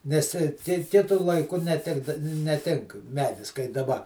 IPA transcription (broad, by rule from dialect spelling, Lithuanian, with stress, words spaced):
nʲɛs ˈkʲɪ ˈkʲɪtʊ lˠɐɪˈkʊ nʲɛˈtʲɪɡdɐ nʲɛˈtʲɪŋk ˈmʲæːdʲɪs kɐɪ dɐˈbɐ